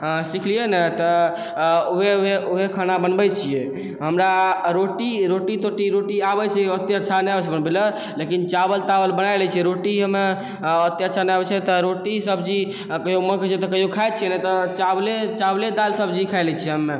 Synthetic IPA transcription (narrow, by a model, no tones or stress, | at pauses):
ɦə̃sikʰlienet̪ɔ | uɦeɦeuɦekʰanabənbɛt͡ʃʰije | ɦəmɾaɾoʈiɾoʈit̪oʈiɾoʈiabɛt͡ʃʰɛət̪eətːʃʰanɛjabɛt͡ʃʰbənbilə | lekint͡ʃabəlt̪abəlbənajlɛt͡ʃʰiɛɾoʈiɦəmːe | ət̪ːeətːʃʰanəjabɛt͡ʃʰɛt̪ɔɾoʈisəb̚d͡ʒi | kəioməɾkt͡ʃʰɛt̪ɔkəɦiokʰajt͡ʃʰiɛnɛt̪ɔt͡ʃablet͡ʃabled̪alsəbd͡ʒikʰajlɛt͡ʃʰiɛɦəmːe